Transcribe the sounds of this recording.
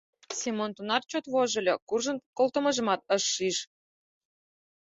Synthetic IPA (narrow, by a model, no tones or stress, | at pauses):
sʲimont̪unɑrt͡ɕot̪βoʒɤ̆lʲɤkurʒə̆nkolt̪ə̆mə̆ʒə̆mɑt̪̚əʃːiʃ